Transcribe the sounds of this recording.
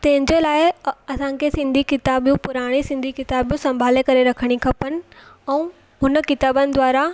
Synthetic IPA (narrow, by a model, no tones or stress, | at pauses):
t̪ɐ̃ɦɪ̃ɲd͡ʑelaːɪɐsãkʰesɪ̃nd̪ʱikɪt̪aːbjũpʊɾaːɽ̃isɪ̃nd̪ʱikɪt̪aːbijũsɐ̃mbʱaːlekɐɾeɾɐkʰəɽ̃ikʰɐpənɪ̆ɛ̃ũ | ɦʊnəkɪt̪aːbənɪ̆d̪ʋaːɾa